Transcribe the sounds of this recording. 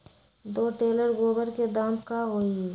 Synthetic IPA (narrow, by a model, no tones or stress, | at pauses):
d̪oːʈeːləɾɡoːbəɾked̪aːmkaɦoːi